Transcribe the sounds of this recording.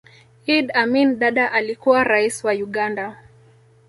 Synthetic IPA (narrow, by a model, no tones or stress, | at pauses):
idaminɗaɗaʔalikuwaɾaiswajuɠanda